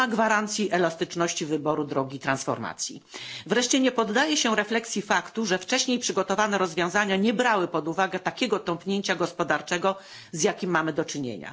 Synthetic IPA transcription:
aɡvaɾant̪sʲjiʔɛlast̪ɘt͡ʂnɔɕt͡ɕivɘbɔɾud̪ɾɔɡʲiːt̪ɾansfɔ̰ɾma̰t̪sʲjḭvɾɛʂt͡ɕɛɲɛpɔd̪ːajɛɕɛɾɛflɛksʲjifakt̪uʐɛft͡ʂɛɕɲejpʂɘɡɔt̪ɔvanɛɾɔzvʲjɔ̃w̃zaɲaɲɛbɾawɘpɔd̪uvaɡɛt̪akʲɛɡɔt̪ɔ̃mpɲeɲt͡ɕaɡɔspɔd̪aɾt͡ʂɛɡɔ | zjakʲimːamɘd̪ɔt͡ʂɘɲḛɲa̰

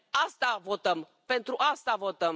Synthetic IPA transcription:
ast̪avo̞t̪əm | pe̞nt̪ɾuʔast̪avo̞t̪əm

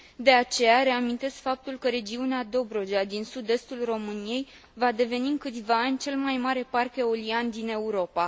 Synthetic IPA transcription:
d̪e̞at͡ʃe̞jaɾe̞amint̪e̞skfap̚t̪ulkəɾe̞d͡ʒiunead̪o̞bɾo̞d͡ʒead̪insud̪e̞st̪ulro̞mɨnije̞j | vad̪e̞ve̞niɨŋkɨt̪sʲvaːnʲt͡ʃe̞lmajmaɾe̞parke̞oliand̪ine̞uɾo̞pa

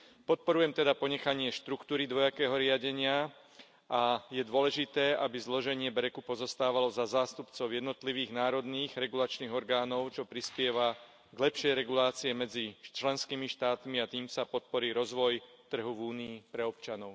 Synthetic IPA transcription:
pɔt̪̚pɔɾujɛmt̪ɛd̪apɔɲɛxaɲɪɛʃt̪ɾukt̪uːɾid̪ʋɔjakɛːɦɔɾɪaɟɛɲɪa | ʔajɛd̪ʊɔlɛʒit̪ɛːʔabizlɔʒɛɲɪɛbɾɛkupɔzɔst̪aːʋalɔzazaːst̪upt͡sɔʊjɛd̪nɔt̪liʋiːɣnaːɾɔd̪niːɣɾɛɡulat͡ʃniːɣɔɾɡaːnɔʊt͡ʃɔpɾispɪɛʋa | ɡlɛpʃɪɛjɾɛɡulaːt͡siɛmɛd͡zit͡ʃlɛnskiːmiʃt̪aːt̪miat̪iːmsapɔt̪̚pɔɾiːɾɔzʋɔj | t̪r̩ɦuvuːniːpɾɛɔpt͡ʃanɔʊ

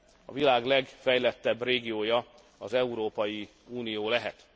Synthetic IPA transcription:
ɒ̰vilaːɡlɛɡfɛjlɛt̪ːɛbreːɡijoːjɒ | ɒzɛuɾoːpɒji | uːnijoːlɛɦɛt̪

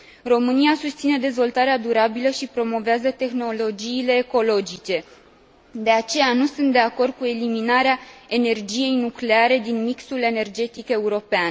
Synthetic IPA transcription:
ro̞mɨniasust̪sine̞d̪e̞zvo̞lt̪aɾead̪uɾabiləʃipɾo̞mo̞veazət̪e̞xno̞lo̞d͡ʒiːle̞ːko̞lo̞d͡ʒit͡ʃe̞ | d̪e̞at͡ʃe̞janusunt̪̚d̪e̞ako̞rd̪̚kue̞liminaɾeae̞ne̞rd͡ʒije̞jnukle̞aɾe̞d̪inmiksule̞ne̞rd͡ʒe̞t̪ike̞uɾo̞pean

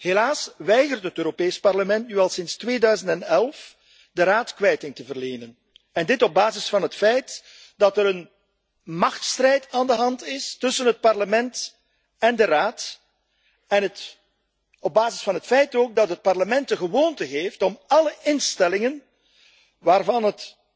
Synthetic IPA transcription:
helaːsʋɛjɣərtɦətøːɾopeːspɑrləmɛntnyːɛlˠsɪnstʋeːdœɥzəntɛnɛlˠf | dəraːtkʋɛjtɪŋtəvərleːnən | ɛndɪtɔb̚baːzɪsfɑnɦətfɛjt | d̥ɑtəɾən | mɑxtstrɛjtaːndəɦɑntɪstɵsənɦət̚pɑrləmɛnt | ɛndəraːt | ɛnət | ɔb̚baːzɪsfɑnɦətfɛjtoːɡ̚dɑtɦət̚pɑrləmɛntdəɣəʋoːntəɦeːftɔmɑləʔɪnstɛlɪŋən | ʋaːrvɑnɦət

